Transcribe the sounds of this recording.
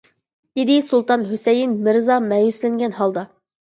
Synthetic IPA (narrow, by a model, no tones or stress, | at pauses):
d̪̥ɪd̪ɪsulˠt̪ɑnɦøsɛjinmɪɾzɑmɛjyslɪŋɡʲɛnhɑlˠd̪ɑ